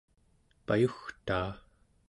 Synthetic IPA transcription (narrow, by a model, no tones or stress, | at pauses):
pajuxt̪aː